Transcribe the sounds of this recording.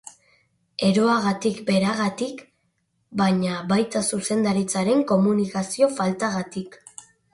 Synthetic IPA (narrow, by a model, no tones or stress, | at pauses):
e̞ɾo̞aɣat̪ikbe̞ɾaɣat̪ik | baɲaβajt̪asuse̞nd̪aɾit͡saɾe̞ŋko̞munikasio̞falt̪aɣat̪ik